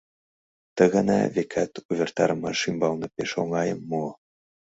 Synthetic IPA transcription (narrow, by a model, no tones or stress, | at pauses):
t̪ə̆ɣɑnɑ̰vekʰæt̪uβʲert̪ɑɾɤmɑʃimbɑlnɤ̆peʃoŋɑjəmːo